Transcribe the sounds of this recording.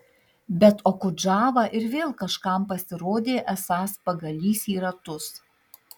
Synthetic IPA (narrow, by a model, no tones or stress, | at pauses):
bʲɛt̪okʊd͡ʒɑːʋɐʔɪɾʋʲeːlˠkɐʃkɑˑmpɐsʲɪɾoːd̪ʲeːʔɛsɑːspɐɡɐlʲiːsʲiːɾɐt̪ʊs